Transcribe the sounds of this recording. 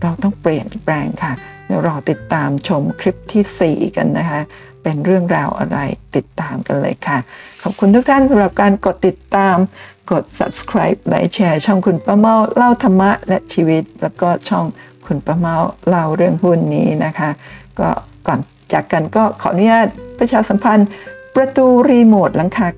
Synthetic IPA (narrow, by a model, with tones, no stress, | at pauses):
ɾa˧wt̪ɔ˥˩ŋpɾi˨˩ənpɾɛː˧ŋkʰa˥˩lɛ˦˥wɾɔː˧t̪i˨˩t̪ːaː˧mt͡ɕʰo˧mkʰɾi˦˥p̚t̪ʰiː˥˩sḭː˨˩ka̰˧nːa˦˥kʰa˦˥ | pe˧nɾɯ˥˩əŋɾaː˧wʔa̰˧ɾa̰˧jt̪i˨˩t̪ːaː˧mka˧nlɤ̰ː˧jkʰa˥˩kʰɔː˨˩p̚kʰu˧nt̪ʰuː˦˥k̚t̪ʰa˥˩nsa˧˦mɾa˨˩p̚kaː˧nko˨˩t̪ːi˨˩t̪ːaː˧mko˨˩t̪̚sa̰˨˦p̚skʰɾaː˦˥jp̚la̰˨˦jt͡ɕʰɛː˧t͡ɕʰɔ˥˩ŋkʰu˧npa˦˧˥ma˥˩wla˥˩wt̪ʰa˧mːa˦˥ʔlɛ˦˥ʔt͡ɕʰiː˧wi˦˥t̪̚lɛː˦˥wkɔː˥˩t͡ɕʰɔ˥˩ŋkʰu˧npa˦˧˥ma˥˩wla˥˩wɾɯ˥˩əŋhu˥˩nːiː˦˥na˦˥kʰa˦˥ʔkɔ̰ː˥˩kɔ̰ː˨˩n | t͡ɕaː˨˩kːa˧nkɔː˥˩kʰɔː˩˦ʔnu˦˥jaː˥˩t̪̚pʰɾa˧t͡ɕʰaː˧sa˩˦mpʰa˧npɾa˧t̪uː˧ɾiː˧moː˨˩t̪̚la˩˦ŋkʰaː˧˩